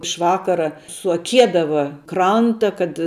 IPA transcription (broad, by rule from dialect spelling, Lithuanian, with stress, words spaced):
ɪʃ ˈʋɑːkɐrɐ sʊɐˈkʲiɛdɐʋɐ ˈkrɐntɐ kɐt